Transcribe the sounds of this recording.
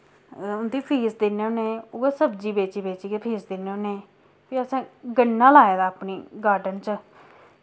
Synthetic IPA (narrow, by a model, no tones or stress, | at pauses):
ʊnd̪iːpʰiːsd̪eneːoːneːoːeːsəbd͡ʒiːbeːt͡ʃiːbeːt͡ʃiːkepʰiːsd̪ɪneːoːneː | piːəsãːɡənːãːlaːeːd̪aːpniːɡaːɾɖənt͡ʃ